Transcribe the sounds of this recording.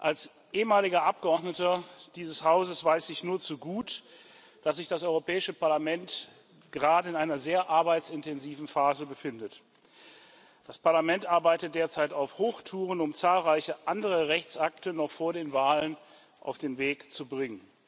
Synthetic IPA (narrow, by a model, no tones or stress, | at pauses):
ʔals | ʔeːəmaːlɪɡɐʔap̚ɡ̥əɔɐdnətɐd̥iːzəshaʊzəsv̥aɪsɪçnuːɐt͡suɡuːt | d̥as̬z̥ɪçd̥asʔɔʏʁopʰɛːɪʃəpaɐlamɛnt | ɡ̥əʁaːdəɪnʔaɪnɐzeːɐʔaɐbaɪtt͡sɪntʰɛnziːvn̩faːzəbəfɪndət | d̥aspaɐlamɛntʔaɐbaɪtət̚d̥eːɐt͡saɪtaʊfhoːxtʰuːʁ̞ənʊmt͡saːlʁaɪçəʔandəʁ̞əʁɛçt͡sʔaktənɔχfoːɐɾeːnvaːlən | ʔa̰ʊfd̥eːnveːkt͡subʁɪŋən